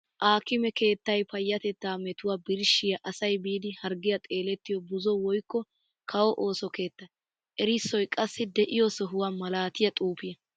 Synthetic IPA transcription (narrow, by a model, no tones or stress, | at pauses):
ʔaːkɪmɛke̞ːt̪ːɐjpɐjːɐt̪ɛt̪ːaːmɛt̪ʊwaːbɪɾʃɪjɐʔɐsɐjbiːd̪ɪhɐɾɡɪjɐt̪ʼe̞ːlɛt̪ːɪjɔbʊzɔwɔjkːɔ | kʰɐwɔʔoːsɔke̞ːt̪ːɐ | ʔɛɾɪsːɔjkʼɐsːɪd̪ɛʔɪjɔsɔɦʊwamɐlaːt̪ɪjɐt̪ʼuːpɪjɐ